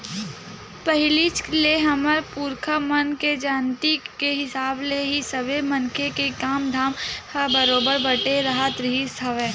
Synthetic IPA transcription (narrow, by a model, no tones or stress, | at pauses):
pəɦɪlit͡ʃleɦɐməɾpuːɾkʰəmɐnked͡ʒaːnt̪ikeɦɪsaːbleɦisɐbemɐnkʰekekaːmd̪ʱaːmhəbɐɾoːbəɾbɐʈeɾɐɦat̪ɾisɐʋẽː